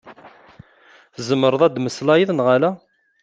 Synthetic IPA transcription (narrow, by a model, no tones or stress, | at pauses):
zəmːəɾˤəðˤæd̪məslɑjiðˤnʁalæ